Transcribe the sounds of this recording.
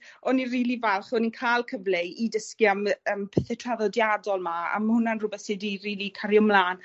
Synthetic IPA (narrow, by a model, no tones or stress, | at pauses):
ɔniriːlivɛlˠχɔninkʰaːlˠkʰəvleidəskiaməːmpʰɛθɛtʰraðɔdjadɔlˠmaa̰mhʊnanrʊbɛθsɪdiriːlikʰaɾjɔmlˠaːn